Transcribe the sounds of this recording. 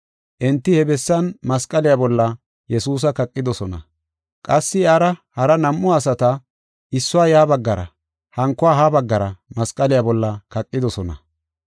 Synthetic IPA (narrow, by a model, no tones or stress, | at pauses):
ʔɛnt̪ːɪhɛbɛsːɐnmɐskʼɐlɪjabɔlːɐ | jɛsuːs̬ɐkɐkʼːɪd̪ɔsɔnɐ̰ | kʼɐsːɪaːɾɐhɐɾɐnɐmːʊasɐt̪ɐ | ʔɪsːʊaːjaːbɐɡːɐɾɐ̰ | hɐŋkːɔaːɦabɐɡːɐɾɐmɐskʼɐlɪjabɔlːɐkɐkʼːɪd̪ɔsɔnɐ̰